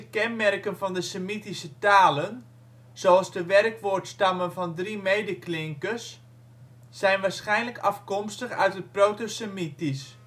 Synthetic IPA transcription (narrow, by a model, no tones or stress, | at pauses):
əkɛnmɛrkənfɔndəsəmitisətaːlən | z̥oɑlˠzdəʋɛrkʋoːrtstamənvɔndrimejdəklɪŋkəsː | ɛjnʋaːsχɛjnləkɑfkɔmstəxœ̰ɥtət̚prowtosəmitis